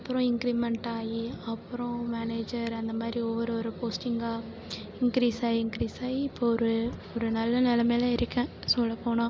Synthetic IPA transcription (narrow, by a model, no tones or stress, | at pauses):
ɐpːɯɾɔ̃ɪŋkɪɾɪbmɛɳʈaːjiɐpːɯɾõmaːneːd͡ʒɐɾɐnd̪ɐmaːd̪ɾiɔʋːɐɾɔɾɯpoːsʈɪŋɡaː | ɪŋkɪɾiːsaːjiɪŋkɪɾiːsaːjiɪpːoɔɾɯɔɾɯnɐlːɐnɪlɐmeːlɐ̃ɪɾɯkːɐ̃ | sɔlːɐpːoːɳãː